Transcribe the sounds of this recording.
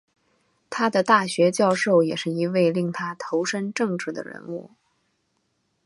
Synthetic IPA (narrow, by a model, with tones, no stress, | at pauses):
t̪ʰa˥d̪ə˨t̪a˥˩ɕɥɛ˧˥t͡ɕjɑ˥˧ʊʂo˥˩ʊjɛ˨˩ʂɻ̩˥˩i˧˥we˥˧ɪli˥˩ŋt̪ʰa˥t̪ʰo˧˥ʊʂə˥nʈ͡ʂɤ˥˧ŋʈ͡ʂɻ̩˥˩d̪ə̰˩ɻə̰˧˥nu˥˩